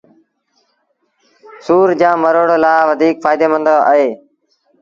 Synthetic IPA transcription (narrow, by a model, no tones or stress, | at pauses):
suːɾd͡ʒãːməɾoːɽoːlaːʋəd̪ʱiːkfaːɪd̪eːmə̃nd̪oːʔəɦeː